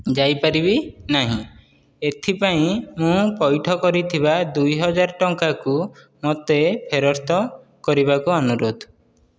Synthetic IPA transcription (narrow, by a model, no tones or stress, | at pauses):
d͡ʒajpaɾibinaɦḭ̃ | et̪ʰipaĩmũpɔjʈʰɔkɔɾit̪ʰibad̪ujɦɔd͡ʒaɾɔʈɔŋkaku | mot̪epʰeɾɔɾt̪ʰɔ | kɔɾiβakuɔnuɾod̪ʱ